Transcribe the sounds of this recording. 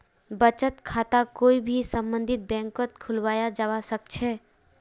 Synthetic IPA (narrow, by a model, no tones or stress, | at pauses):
bət͡ʃət̪kʰat̪akoːibʱisə̃mbə̃nd̪ʱit̪̚bɛ̃ŋkət̪kʰʊlʋaːjad͡ʒawasək̚t͡ʃʰɛ